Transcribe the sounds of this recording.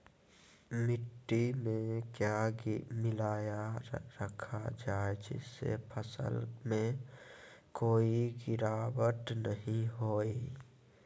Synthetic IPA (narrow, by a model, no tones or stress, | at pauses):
mɪʈːimẽkjamɪlaːjaɾəkʰad͡ʒaːed͡ʒɪ̰sḛpʰəsə̰lmẽ | koːiɡɪɾaːwəʈ̪nəɦĩɦoːi